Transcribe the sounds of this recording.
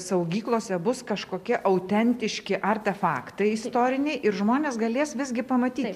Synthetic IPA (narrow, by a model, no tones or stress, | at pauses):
sɐʊɡʲiːklˠoːsʲɛbʊskɐʃkoːkʲɛʔɐʊt̪ʲɛnʲt̪ʲɪʃʲkʲɪʔɐɾʲt̪ʲɛfɑːkt̪ɐɪɪst̪oːɾʲɪnʲɛɪʔɪɾʒmoːnʲeːsɡɐlʲeːsʋʲɪzʲɡʲɪpɐmɐt̪ʲiːt̪